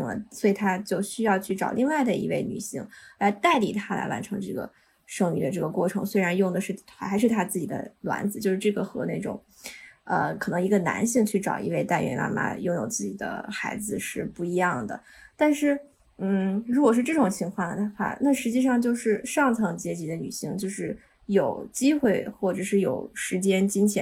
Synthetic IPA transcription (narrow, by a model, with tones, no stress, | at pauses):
ŋlə̰˩swɔ˧˥i˨˩t̪ʰa˥t͡ɕjo˥˧ʊɕy˥jɑ˥˧ʊt͡ɕʰy˥˩ʈ͡ʂɑ˨˩ʊli˥˧ŋwa˥˩ɪd̪ə˩ḭ˧˥we˥˩ɪny̰˨˩ɕi˥˩ŋla˧˥ɪt̪a˥˩ɪli˨˩t̪ʰa˥la̰˧˥ɪwa̰˧˥nʈ͡ʂʰɤ˧˥ŋʈ͡ʂɤ˥˩ɡə̰˩ | ʂɤ˥˧ŋny̰˧˩d̪ə˦ʈ͡ʂɤ˥˩ɡə˩kwɔ˥˩ʈ͡ʂʰɤ˧˥ŋswe˥ɪɻa˧˥njʊ˥˩ŋd̪ə˩ʂɻ̩ʰ˥˩a˧˥xʂɻ̩˥˩t̪ʰa˥t͡sɹ̩˥˩t͡ɕi˨˩d̪ə̰˦lwa̰˧˥nd͡zɹ̩˧t͡ɕjo˥˧ʊʂɻ̩˥˧ʈ͡ʂɤ˥˩ɡə˩xɤ˧˥ne˥˩ɪʈ͡ʂʊ̰˨˩˦ŋ | ə˧kʰɤ˨˩nɤ˧˥ŋi˧˥ɡə˧na̰˧˥nɕi˥˧ŋt͡ɕʰy˥˩ʈ͡ʂɑ̰˨˩ʊḭ˧˥we˥˧ɪt̪a˥˩ɪɥɛ̰˧˥nma̰˥˩ma̰˧˥jo˥˩ŋjo˨˩ʊt͡sɹ̩˥˩t͡ɕi˨˩d̪ə̰˦xa˧˥ɪd͡zɹ̩˧ʂɻ̩˥˧pu˥˩i˧˥jɑ˥˩ŋd̪ə̰˩ | t̪a˥˧nʂɻ̩˥˩ | n̩˥˩ɻu˧˥kwɔ˨˩ʂɻ̩˥˧ʈ͡ʂɤ˥˩ʈ͡ʂʊ˨˩ŋt͡ɕʰi˧˥ŋkʰwɑ˥˩ŋd̪xwa̰˥˩na˥˩ʂɻ̩˧˥t͡ɕi˥˧ʂ̬ɑ˥˧ŋt͡ɕjo˥˧ʊʂɻ̩˥˧ʂɑ˥˧ŋt͡sʰɑ˧˥ŋt͡ɕjɛ˧˥t͡ɕi˧˥d̪ə˧ny̰˨˩ɕi˥ŋt͡ɕjo˥˧ʊʂɻ̩˥˩ | jo˨˩ʊt͡ɕi˥xwe˥˧ɪxwɔ˥˩ʈ͡ʂɤ˨˩ʂɻ̩˥˩jo˨˩ʊʂɻ̩˧˥t͡ɕjɛ˥nt͡ɕi˥ŋt͡ɕʰjɛ˧˥